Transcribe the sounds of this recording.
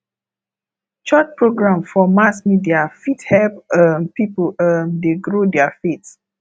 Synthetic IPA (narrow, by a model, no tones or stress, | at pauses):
t͡ʃɔt͡ʃpɹoɡɹãmfɔmasmidiafithɛpmpipəmdeɡɹodɛafit